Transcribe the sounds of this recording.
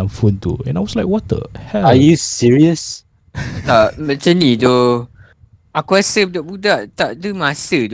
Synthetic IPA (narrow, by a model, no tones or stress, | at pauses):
ãmfũntṵɛ̰̃najwɔslaɪkwɔtə̰hɛajusiɹiəs | t̪aʔmɛt͡ʃə̃nido | ʔakwɛsədɔʔbudaʔt̪aʔdəmãsəd